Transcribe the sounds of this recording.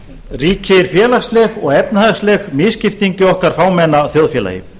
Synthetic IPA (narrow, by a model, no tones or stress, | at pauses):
riːcɪɾ̥fjɛːlast̪lɛɣɔɣɛpnhaɣslɛxmɪscɪft̪iɲcɪɔhkaɾ̥faːwmɛnːaθjɔwðfjɛːla̰jɪ̰